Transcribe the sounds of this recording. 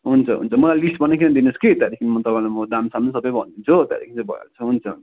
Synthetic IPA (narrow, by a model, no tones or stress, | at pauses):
ɦunt͡sʰʌɦṵnt͡sʰʌmʌlalisʈbʱʌnːekʰinẽd̪inosket̪jaɾikʰinimʌt̪ʌpãĩlamʌd̪amsamnʌsʌbʌjbʱʌ̰nd̪it͡sʰot̪ja̰ɾḭkʰint͡sbʱʌ̰ja̰lt͡sʰʌɦunt͡sʰʌɦṵnt͡sʌ̥